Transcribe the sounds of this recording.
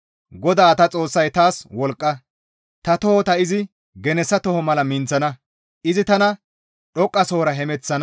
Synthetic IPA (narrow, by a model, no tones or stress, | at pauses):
ɡɔd̪aːt̪ɐt͡sʼo̞ːsːɐjt̪aːswɔlkʼːɐ | t̪ɐt̪ɔhɔt̪ɐɪzɪ | ɡɛnɛsːɐt̪ɔhɔmɐlɐmɪnt͡sːɐnɐ | ʔɪzɪt̪ɐnɐ | ɗɔkʼːɐsoːɾɐɦɛmɛt͡sːɐn